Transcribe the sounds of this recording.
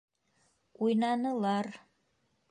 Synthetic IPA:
ujnɑnɤ̆lˠɑɾ

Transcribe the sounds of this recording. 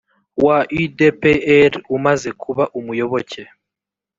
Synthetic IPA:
waʔidepeeɾumaze̞kʰuβaʔumujo̞βo̞ce

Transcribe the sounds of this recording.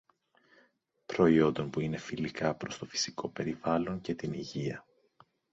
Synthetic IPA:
pɾo̞io̞nd̪o̞npuine̞filikɐpɾo̞st̪o̞fi̥si̥ko̞pe̞ɾivɐlo̞ɲce̞t̪iniʝiɐ

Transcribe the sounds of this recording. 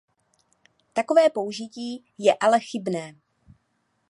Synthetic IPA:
t̪ako̞vɛːpo̞uʒɪciː | jɛʔalɛxɪbnɛː

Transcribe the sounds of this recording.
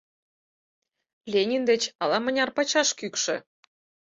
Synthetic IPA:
lʲenʲind̪et͡ɕɑlɑmə̆nʲɑrpɑt͡ɕɑʃkykʃĕ

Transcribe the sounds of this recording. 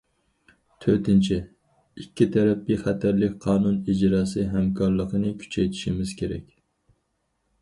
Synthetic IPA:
t̪ʰøɾt̪ʰɪnt͡ʃʰɪ | ikʲːit̪ʰæɾɛpːiχæt̪ʰæɾlɪkʲqʰɑːnunid͡ʒɾɑːsɨɦɛmkʰɑɾlˠəqənɨkʲʰy̥t͡ʃʰɛjt̪ʰɪ̥ʃimɪz̥kʲʰeɾɛ̰kʲ

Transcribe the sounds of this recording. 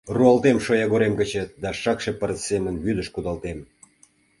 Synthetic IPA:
ruɑlt̪emʃojɑɣoɾemɡət͡ɕet̪̚d̪ɑʃɑkʃepəɾəsemənβyd̪ə̆ʃkud̪ɑlt̪em

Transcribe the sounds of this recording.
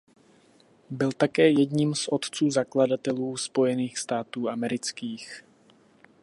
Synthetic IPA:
bɪlt̪akɛːjɛdɲiːmsʔo̞t̪t͡suːzakladat̪ɛluːspo̞jɛniːxst̪aːt̪uːamɛɾɪt͡skiːx

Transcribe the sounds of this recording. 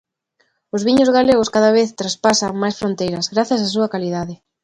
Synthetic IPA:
ʊzβiɲʊzɣaleɣʊskaðɐβ̞eθt̪ɾaspasaŋmajsfɾont̪ejɾɐzɣɾaθjɐs̬as̬uɐkaliðaðɪ

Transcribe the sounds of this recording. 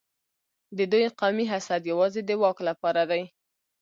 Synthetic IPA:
d̪əd̪ujqɑmiɦasad̪jawɑzed̪əwɑklapɑɾad̪aj

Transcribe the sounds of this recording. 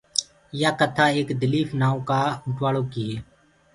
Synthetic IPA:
jaːkət̪ʰaːeːkd̪əliːfnaːõːkaːʊʈʋaːɭoːkɪjeː

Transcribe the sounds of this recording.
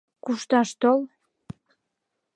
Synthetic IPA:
kuʃt̪ɑʃt̪ol

